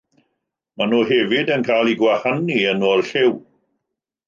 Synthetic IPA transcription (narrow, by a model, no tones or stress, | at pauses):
manuːɦɛvɪdənkʰajlˠiɡwahaniənɔːrɬɪw